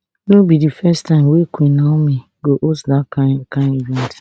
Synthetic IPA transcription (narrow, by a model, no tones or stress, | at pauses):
nobidifɛstãɪ̃mwekʰʷenami | ɡoʔosdakʰãkãɪ̃nivɛ̃nt